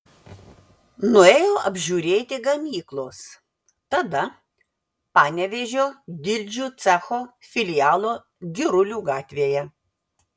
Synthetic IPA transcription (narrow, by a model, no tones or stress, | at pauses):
nʊeːjoːʔɐbʲʒʲuːɾʲeːt̪ʲɪɡɐmʲiːklˠoːs | t̪ɐd̪ɐ | pɑːnʲɛʋʲeʒʲoːd̪ʲɪlʲd͡ʒʲuːt̪sʲæxoːfʲɪlʲɪjɑːlˠoː | ɡʲɪɾʊlʲuːɡɑːt̪ʲʋʲeːjɛ